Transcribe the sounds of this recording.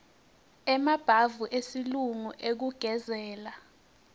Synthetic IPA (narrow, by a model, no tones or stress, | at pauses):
ɛmab̥ʱavuʔesiluŋuʔek̬uɡ̥ʱɛzɛːla